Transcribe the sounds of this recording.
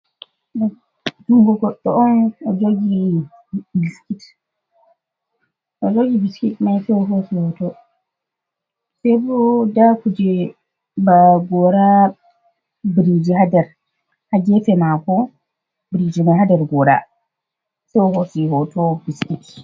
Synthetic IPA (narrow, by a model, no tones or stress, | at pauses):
d̥umɡuɡɔɗːɔʔɔnɔd͡ʒoɡi | biskit | ʔɔd͡ʒoɡibiskitmajsɛɦosihɔtɔ | sɛbɔdakud͡ʒɛ | baɡɔɾa | biɾid͡ʒihadaɾ | haɡɛfɛmakɔ | bɾid͡ʒimajhadaɾɡɔɾa̰ | sɛwɔhosihɔtɔbiskit